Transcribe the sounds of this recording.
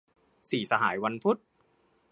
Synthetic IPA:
siː˨˩sa˧ɦaː˩˦jwa˧npʰu˦˥t̪̚

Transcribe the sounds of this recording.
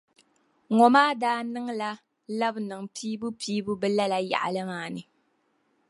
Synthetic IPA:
ŋɔ˨maː˦daː˦nɨ˦ŋla˦ | la˦bnɨ˨ŋpiː˦bu˦pʰiː˦bu˦bɛ˦la˦la˨ja̰˨ʔa̰˨lɨ˦maː˨˦˨nɨ˨

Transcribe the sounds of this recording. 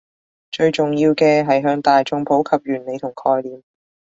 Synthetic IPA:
t͡ʃɵ˧ɥt͡sʊ˨˩ŋjiː˧wkɛː˧ɦɐ˨jɦœː˧ŋt̪aː˨jt͡ʃʊ˧ŋpʰo˨˥wkʰɐ˨p̚jyː˨˩nle˨˧jt̪ʰʊ˨˩ŋkʰɔː˧jliː˨m

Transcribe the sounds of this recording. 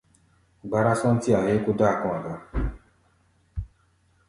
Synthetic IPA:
ɡ͡ba˧ɾa˦sɔ̃˦n̩˦ti˦a˨je˨˦ko˦da˦a˨kɔ̃˧˨a˨la˨˦

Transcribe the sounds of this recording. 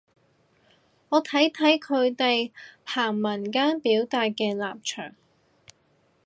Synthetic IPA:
ŋɔː˨˧t̪ʰɐ˨˥jt̪ʰɐ˨˥jkʰɵ˨˧ɥt̪e˨jhʰaː˨˩ŋmɐ˨˩nkaː˥npiː˨˥wt̪aː˨t̚kɛː˧laː˨p̚t͡ʃʰœ̰ː˨˩ŋ

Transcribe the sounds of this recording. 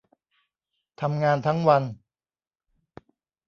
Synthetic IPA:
t̪ʰa˧mŋaː˧nt̪ʰa˦˥ŋwa˧n

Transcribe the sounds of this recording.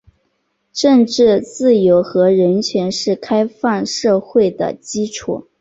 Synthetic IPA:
ʂə˥˧ŋʈ͡ʂɻ̩˥˧t͡sɹ̩˥˩jo˧˥ʊxɤ˧˥ɻə˧˥nt͡ɕʰɥɛ˧˥nʂɻ̩˥˩kʰa˥ɪfa˥˧nʂɤ˥˧xwe˥˩ɪd̪ə̰˩t͡ɕi˥ʈ͡ʂʰṵ˥˩

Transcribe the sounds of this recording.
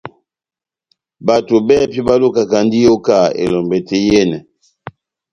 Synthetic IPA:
ba˨to˨bɛ˦˨pi˦ba˦lo˦ka˨ka˨ndi˦jo˦ka˦˨ḛ˨lɔ˨mbɛ˨tʰɛ˨jɛ˦nɛ˨

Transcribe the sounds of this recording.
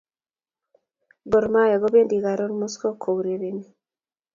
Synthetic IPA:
bɔ˨ɾma˦ja˨ɡɔ˦be˦ndi˨ɡa˨ɾɔ˦nmɔ˦skɔ˦kʰo˨wɾe˨ɾe˨ni˦

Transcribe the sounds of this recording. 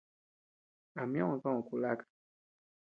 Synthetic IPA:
a˨mj̃ã˦ɔ̃˨kã˦ɔ̃˨ku˨la˦kḁ˨

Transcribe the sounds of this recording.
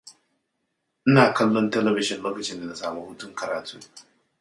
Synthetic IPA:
ʔɪ˦naː˨kɐ˦lːɔ˦ntɛ˦lɛ˦bɪ˦ʃɪ˨nloː˦kɐ˨t͡ʃɪ˦nda˨na˨saː˨mɐ˦hʊ˦tʊ˦ŋkɐ˨ɾaː˨tʰuː˦ŋ

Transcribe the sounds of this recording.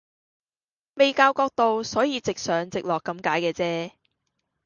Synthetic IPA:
me˨jkaː˧wkɔː˧k̚t̪o˨wsɔː˨˥jiː˨˧t͡sɪ˨k̚sœː˨˥ŋt͡sɪ˨k̚lɔː˨˩kːɐ˧mkaː˨˥jkɛː˧t͡sɛː˥

